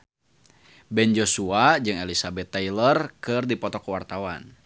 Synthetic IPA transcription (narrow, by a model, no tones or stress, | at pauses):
bɛnd͡ʒosuad͡ʒɨŋɛlisabɛt̪ːailərkɨrdipɔt̪ɔkwart̪awan